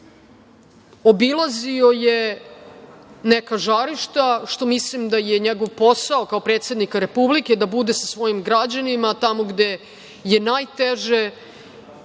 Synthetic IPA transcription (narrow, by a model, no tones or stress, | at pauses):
o̞bilˠazio̞je | nekaʒaɾiʃt̪aʃt̪o̞mislimd̪ajeɲeɡo̞ʋpo̞saokaopɾe̞ːt̪sje̞d̪nikaɾe̞publike̞d̪abud̪esasʋo̞jimɡɾad͡ʑanimat̪amo̞ɡd̪e̞ | je̞najt̪eʒe